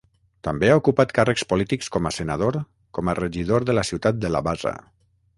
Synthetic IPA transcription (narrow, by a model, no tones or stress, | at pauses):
t̪əmbeaukupat̪karəkspulit̪ikskɔmasənað̞oɾ | kɔmərəʒið̞oɾðəlasiwt̪at̪̚d̪əlaβaza̰